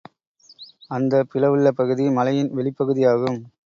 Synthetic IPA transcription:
ɐnd̪ɐpɪlɐʋɯɭːɐpɐɣɯðimɐlɐjɪnʋɛɭɪpːɐɣɯðɪjaːɣɯm

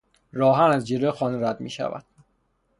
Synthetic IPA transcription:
ɾɒːɦænæzd͡ʒeloxɒːnɾæd̪mḭːʃæ̰væ̰d̪̥̚

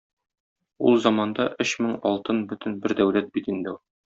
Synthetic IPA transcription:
ulˠzɒmɑnd̪ɑʔɵɕmɘŋɒlˠt̪ɤnbɵ̆t̪ɘnbɘɾd̪æwlæt̪̚bit̪ind̪ɘu

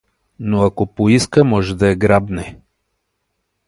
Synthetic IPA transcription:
noakopoiskəmɔʒɛd̪ɐɛɡɾabnɛ

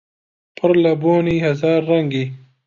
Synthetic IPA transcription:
pʰəɾlɐboːniɦɐzɑːɾːɐŋɡi

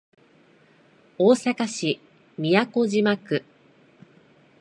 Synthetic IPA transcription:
oːsakaɕi | mʲijako̞ʑimakɯ̟

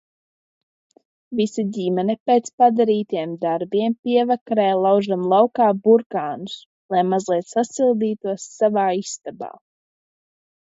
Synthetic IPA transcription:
visadʲimɛnɛpeːt̪spad̪aɾiːt̪iɛmd̪aɾbiɛmpiɛvakɾɛːlˠawʒamlˠawkaːbuɾkaːnus | lˠajmazlˠiɛt̪sasilˠd̪iːt̪uɔsːavaːist̪aba̰ː

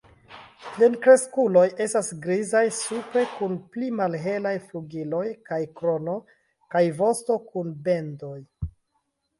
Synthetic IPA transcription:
lenkɾe̞skulo̞jʔe̞stasɡɾizajsupɾe̞kunplimalɦe̞lajfluɡilo̞jkajkɾo̞no̞ | kajvo̞sto̞kunbe̞ndo̞j

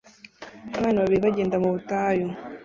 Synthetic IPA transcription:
aβaːnaβaβiɾiβaɟeːndamuβutaːjo

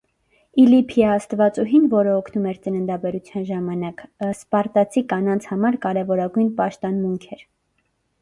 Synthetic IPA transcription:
ilipʰiɑst̪vɑt͡suɦinvɔɾəɔkʰnumɛɾt͡sənənd̪ɑbɛɾut͡sʰjɑnʒɑmɑnɑkspɑɾt̪ɑt͡sʰikɑnɑnt͡sʰhɑmɑɾkɑɾɛvɔɾɑɡujnpɑʃt̪ɔnmuŋkʰɛɾ

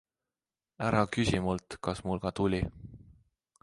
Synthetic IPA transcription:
æɾɑkysimult̪kɑsmulkɑt̪ulʲi

